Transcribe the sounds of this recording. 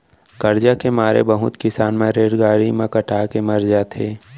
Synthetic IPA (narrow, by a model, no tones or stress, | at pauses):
kɐɾd͡ʒakemaːɾḛbəɦʊt̪kɪsaːnmẽɾeːɾɡaːɾimẽkɐʈʰaːkemɐɾd͡ʒat̪ʰeː